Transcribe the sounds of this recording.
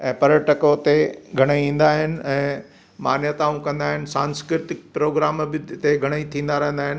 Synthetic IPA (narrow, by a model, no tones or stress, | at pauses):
ɛ̃ːpɐɾəʈəkot̪eɡʱɐɽ̃eĩːn̆d̪aːɦɪnɪ̆ɛ̃ː | maːnjət̪aːũkɐ̃nd̪aːɦɪnɪsãːnskɾɪɾɪt̪ɪk̚pɾoːɡɾaːmbɪt̪eɡʱɐɽ̃əit̪ʰĩːn̆d̪aɾɐɦə̃n̆d̪aːɦɪn